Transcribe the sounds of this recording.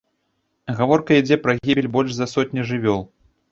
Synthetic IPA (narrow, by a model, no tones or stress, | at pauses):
ɣavɔrkɐid͡zʲɛpɾɐɣʲibʲɛlʲbɔlʲʂzɐsɔtʲnʲiʐɨvʲɔlˠ